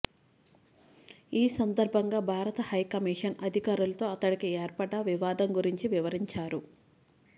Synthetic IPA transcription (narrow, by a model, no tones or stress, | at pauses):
iːsɐnd̪ɐɾbʱɐŋɡaːbʱaːɾɐt̪ɐhɐjkɐmiːʂɐnɐd̪ʱikaːɾulɐt̪o̞ːɐt̪ɐɽikieːɾpɐɽaʋiʋaːd̪ɐŋɡuɾiɲt͡ʃiʋiʋɐɾiɲt͡ʃaːɾu